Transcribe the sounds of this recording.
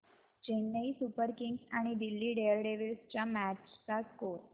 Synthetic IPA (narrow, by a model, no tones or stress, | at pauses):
d͡ʑenːəisupəɾkɪŋɡsaɽ̃id̪ilːiɖeəlɖeʋilst͡ɕamæt͡ʃsakoɾ